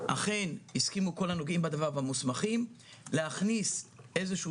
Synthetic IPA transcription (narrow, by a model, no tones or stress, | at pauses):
ʔa̰χe̞niskimuko̞lano̞ɡimbad̪avaʁvamusmaχim | leaχnisʔe̞zeʃu